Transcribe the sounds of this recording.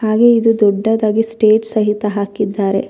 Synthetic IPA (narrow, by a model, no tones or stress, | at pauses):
haːɡeid̪ud̪ɔɖːɐd̪aːɡisʈeːʈsɐɦit̪ɐɦaːkid̪ːaːɾe̞̰